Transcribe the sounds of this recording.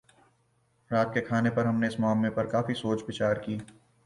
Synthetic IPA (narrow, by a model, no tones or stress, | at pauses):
ɾaːt̪̚kekʰaːnepɐɾɦɐmneɪsmaːmlepɐɾkaːfisoːt͡ʃbɪt͡ʃaːɾkiː